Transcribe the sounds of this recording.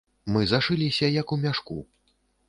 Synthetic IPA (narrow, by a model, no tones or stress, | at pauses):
mɨzaʂɨlʲisʲɐjɐkumʲaʂkṵ